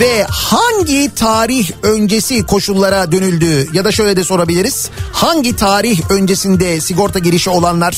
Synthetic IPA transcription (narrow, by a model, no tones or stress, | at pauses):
vɛhaɲɟit̪ʰaːɾiçø̞nd͡ʒe̞sikʰo̞ʃulˠːaɾad̪ø̞nylʲd̪yːjad̪aʃø̞jlʲɛd̪ɛso̞ɾabilʲiɾiz̥haɲɟit̪ʰaːɾiçø̞nd͡ʒe̞sind̪ɛsiɡo̞ɾt̪ʰaɟiɾiʃio̞lˠanlˠaɾ̥